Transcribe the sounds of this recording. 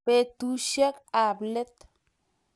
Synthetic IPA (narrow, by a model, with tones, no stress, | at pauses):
e˦t̪u˦ʃja˦ka˨ble˦t̪